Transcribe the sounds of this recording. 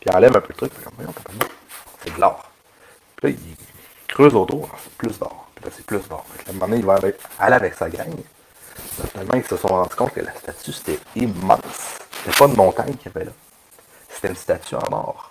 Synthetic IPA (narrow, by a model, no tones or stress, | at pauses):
piɑ̰̃lɛvɛ̃pød̪ət̪ʁʏkfakɔmvwajɔ̃t̪ɑ̃t̪almãsɛd̪lɑːʁ | pilʌi | kʁøzot̪oʁlɔ̰se̥plʏsd̪ɑ̰ːʁpilʌse̥plʏsd̪ɑ̰ːʁfaklamɑ̃d̪əneivɔ̃avɛaleavɛksaɡa̰ɲ | t̪ɑt̪t̪almʔãilsəsɔ̰̃ʁɑ̃d͡zy̥kɔ̃t̪̚kʲə̰lʔast̪at͡syse̥t̪ɛimɑ̰̃sse̥t̪ɛpɔd̪mɔ̃t̪aɲkʲjavɛlʌ | se̥t̪ɛynst̪at͡syɑ̰̃nɑ̰ːʁ